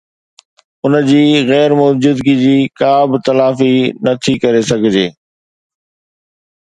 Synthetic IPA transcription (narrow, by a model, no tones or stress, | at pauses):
ʊnəd͡ʑiːɣɛːɾmʊːd͡ʑʊd̪ɡid͡ʑiːkaːbt̪ɐlaːfinɐt̪ʰikɐɾesɐɡʱɪd͡ʑeː